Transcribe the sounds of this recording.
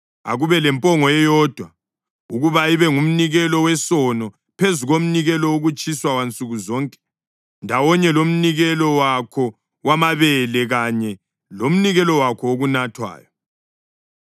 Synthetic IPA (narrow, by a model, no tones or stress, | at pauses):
a̰ɣuβɛlɛmpʼɔŋɔɛjɔːd̥ʱwa | uɣuβaiβɛŋum̩niɣɛlɔwɛsɔnɔ | pʰezuɣom̩niɣɛlɔuɣut͡ʃʼiswawant͡sʼuɣuzɔŋkʼɛ̥ | ndʱawɔɲɛlom̩niɣɛlɔwakʰɔ | wamaβɛlɛɣaɲɛ | lom̩niɣɛlɔwakʰɔoɣunatʰwa̰ːjɔ